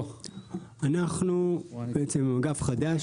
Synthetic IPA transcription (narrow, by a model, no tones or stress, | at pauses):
anaχnubeet͡semɡafχad̪aʃ